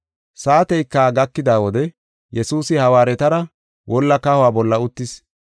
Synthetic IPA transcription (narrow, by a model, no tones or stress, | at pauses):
saːt̪ɛjkːaɡɐkːɪd̪aːwɔd̪ɛ | jɛsuːsɪhɐwaːɾɛt̪ɐɾɐ | wʔɔlːɐkɐhʊwaːbɔlːɐʊt̪ːɪs